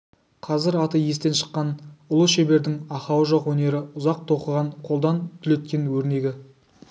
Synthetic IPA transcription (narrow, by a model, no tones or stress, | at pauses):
qʰɑzɪɾɑt̪əje̞st̪e̞nʃə̥qːɑnʊlˠəʃebe̞ɾd̪ɪŋɑχɑwəʒoqwɵne̞ɾɪʊzɑq̚t̪ʰo̞qəʁɑɴqʰo̞lˠd̪ɑnt̪ʰʏle̞t̪̚kʲe̞nwɵɾne̞ɡʲɪ